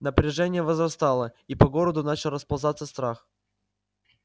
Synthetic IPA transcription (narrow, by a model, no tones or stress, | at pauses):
nəpɾʲɪʐɛnʲɪjəvəzrɐst̪alˠəipɐɡo̞ɾəd̪ʊnat͡ɕɪlˠrəspɐlˠzat̪səst̪ɾax